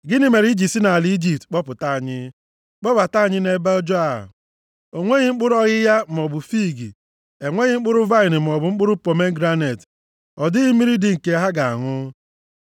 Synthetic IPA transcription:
ɡɪ˦nɪ˦me˨ɾi˦d͡ʒi˨si˦na˨a˨li˦i˦d͡ʒi˨p̚tk͡pɔ˦pʊ˨ta˦˨ɲɪ˦ | k͡pɔ˦ba˨ta˦˨ɲɪ˦ne˨ba˦ɔ˦d͡ʒɔ˦a̰˨ | o˨ŋʷe˦ɲɪ˦ŋ͡m̩˦k͡pʊ˦ɾɔ˦ɣɪ˦ja˦m̩˨ɔ˨bʊ˨fi˦˨ɡi˨ | e˨ŋʷe˦ɲɪ˦ŋ͡m̩˦k͡pʊ˦ɾʊ˦va˦ɪ˨nɪ˨m̩˨ɔ˨bʊ˨ŋ͡m̩˦k͡pʊ˦ɾʊ˦po˨me˦ɡɾa˦ne˨t | ɔ˨dɪ˦ɣi˦mi˦ɾi˦dɪ˨ŋ̩˨ke˦ɦa˦ɡa˨a̰˨ŋʊ˦

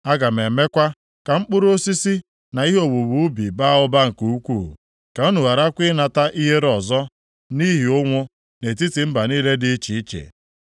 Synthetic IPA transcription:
a˦ɡa˨m̩˨e˨me˦kʷa˦ | ka˨ŋ͡m̩˦k͡pʊ˦ɾo˦si˦si˦ | na˨i˦ɦo˨wu˨bu˦bi˨ba˦ʊ˦ba˦ŋ̩˨ku˨u˦kʷu˦˨ | ka˨˦o˦nu˨wa˨ɾa˦kʷɪ˦na˨ta˦ʔi˦ɦe˦ɾɔ˨zɔ˦ | ni˦ɦi˨ʊ˦ŋʷʊ˦ | ne˨t̬i˦ti˨m̩˦ba˨niː˦le˦dɪ˦t͡ʃi˨i˦t͡ʃḛ˨

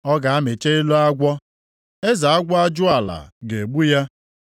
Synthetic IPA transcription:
ɔ˦ɡa˨a˦me˨t͡ʃe˦i˦lu˦a˦ɡʷɔ˦ | e˦za˨a˦ɡʷɔ˦a˦d͡ʒʊ˦a˨la̰˨ɡe˨ɡ͡bu˦ja˦

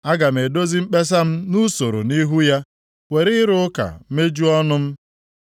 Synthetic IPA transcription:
a˦ɡa˨m̩˨e˨do˦zi˦m̩˦k͡pe˦s̬a˦m̩˦nu˦so˨ɾo̰˨ni˦ɦu˦ja˦ | we˨ɾɪ˦ɾʊ˦ka̰˨˦me˦d͡ʒu˦ɔ˦nʊ˦m̩˦

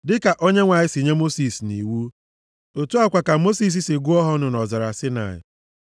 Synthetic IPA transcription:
dɪ˦ka˨ʔo˦ɲe˦ŋʷa˨ɲɪ˦sɪ˨ɲe˦mo˦si˨sni˨wu˦ | o˨tu˦a˦kʷa˨ka˨mo˦si˦s̬i˦sɪ˨ɡu˦ɔ˦ɦɔ˦nʊ˨nɔ˨za˨ɾa˨sɪ˦na̰˨ɪ̰˨

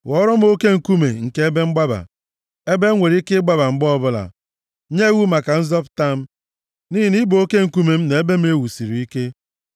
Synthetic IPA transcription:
wɔ˦ɾɔ˦m̩˦o˦ke˦ŋ̩˨ku˦mḛ˨ŋ̩˨ke˦e˦be˦ŋ͡m̩˦ɡ͡ba˦ba̰˨ | e˦be˦ŋʷe˨ɾi˦kɪ˦ɡ͡ba˦ba˨ŋ͡m̩˦ɡ͡bɔ˦bʊ˦la̰˨ | ɲe˦wu˦ma˨ka˨n̩˦zɔ˦pta˦m̩˦ | niː˦i˨ni˦bo˨o˦ke˦ŋ̩˨ku˦me˨m̩˦ne˨e˦be˦m˦e˦wu˨si˨ɾi˨i˦ke˦

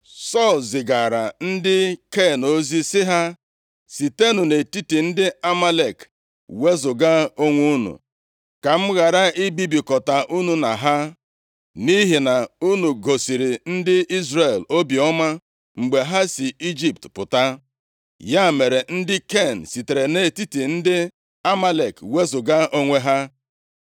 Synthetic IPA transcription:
sɔ˦˨lzɪ˨ɡa˨ɾa˨n̩˦dɪ˦ke˦˨no˦zi˦sɪ˦ɦa˦ | si˨te˦nu˨ne˨ti˦ti˨n̩˦dɪ˦a˦ma˦le˨k | we˦zʊ˨ɡa˦o˦ŋʷu˦nṵ˨ | ka˨m̩˦ɣa˨ɾa˦i˦bi˦bi˨kɔ˨ta˨ʔu˦nu˨na˨ɦa˦ | ni˦ɦi˨na˨u˦nu˨ɡo˨si˨ɾi˨n̩˦dɪ˦i˦zre˦˨lo˦bi˨ɔ˦ma˦ | ŋ͡m̩˨ɡ͡be˨ɦa˦si˨i˦d͡ʒi˦p̚tpʊ˨ta˦ | ja˦˨me˨ɾe˨n̩˦dɪ˦ke˦˨n̩˨si˨te˨ɾe˨ne˨ti˦ti˨n̩˦dɪ˦ | a˦ma˦le˨kwe˦zʊ˨ɡa˦ʔo˦ŋʷe˦ɦa˦

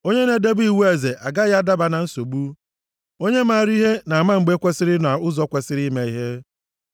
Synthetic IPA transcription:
o˦ɲe˦ne˨de˦bʊ˦i˨wu˦e˨ze˨ʔa˨ɡa˦ja˦da˦ba˨na˨n̩˦so˨ɡ͡bu˦ | o˦ɲe˦ma˦˨ɾi˦ɦe˦na˨a˨ma˦ŋ͡m̩˨ɡ͡be˦kʷe˦sɪ˦ɾɪ˦na˨ʊ˦zɔ˦kʷe˨sɪ˦ɾi˦me˨i˦ɦe˦

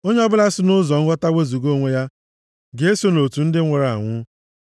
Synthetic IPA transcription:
o˦ɲ˦ɔ˦bʊ˦la˦sɪ˦nʊ˦zɔ˨ŋ̩˦ɡʷɔ˦ta˦we˦zu˨ɡo˦ŋʷe˦ja˦ | ɡe˦so˦no˨tu˨n̩˦dɪ˦ŋʷe˨ɾa˨a˨ŋʷʊ˦

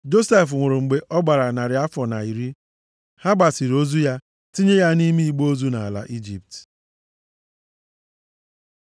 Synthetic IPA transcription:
d͡ʒo˦se˦˨fŋʷʊ˨ɾʊ˨ŋ͡m̩˨ɡ͡be˨ʔɔ˦ɡ͡ba˨ɾa˨na˨ɾɪ˨a˦fɔ˨na˨i˨ɾi˦ | ha˦ba˨si˨ɾo˦zu˦ja˦ | ti˦ɲe˦ja˦ni˦mi˦i˨ɡ͡bo˦zu˦na˨a˨la̰˨ʔi˦d͡ʒi˨p̚t

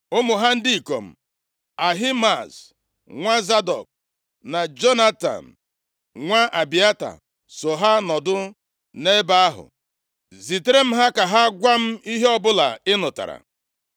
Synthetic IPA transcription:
ʊ˦mʊ˨ɦa˦n̩˦di˦i˨ko˨m̩˨ | a˨ɦi˦ma˨s | ŋʷa˦za˦dɔ̰˨k̚ | na˨d͡ʒo˦na˦ta̰˨n̩˨ | ŋʷa˦ʔa˨bi˨a˦ta̰˨ | so˨ɦa˦nɔ˨dʊ˦ | ne˦ba˦a˦ɦʊ̰˨ | zi˨te˦ɾe˦m̩˦ɦa˦ka˨ɦa˦ɡʷa˦m̩˦i˦ɦe˦ɔ˦bʊ˦la˨ɪ˦nʊ˨ta̰˨ɾa̰˨

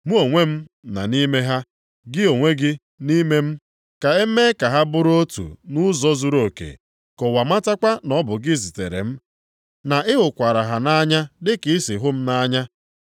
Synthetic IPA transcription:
mu˦o˨ŋʷe˦m̩˦ | na̰˨ni˦me˦ɦa˦ | ɡɪ˦o˨ŋʷe˦ɡɪ˦ | ni˦me˦m̩˦ | ka˨e˦me˦ka˨ɦa˦bʊ˦ɾo˦tṵ˨nʊ˦zɔ˦zu˦ɾo˨kḛ˨ | kɔ˨wa˨ma˦ta˦kʷa˦nɔ˦bʊ˨ɡɪ˦zi˨tḛ˨ɾḛ˨m̩˦ | na˨ʔɪ˦ɦʊ˨kʷa˨ɾa˨ɦa˨na˦ɲa˦dɪ˦kɪ˦sɪ˨ɦʊ˦m̩˦na˦ɲa˦

